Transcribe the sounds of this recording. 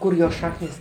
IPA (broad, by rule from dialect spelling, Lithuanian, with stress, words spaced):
ˈkʊr joːs ˈʃɑːknʲɪs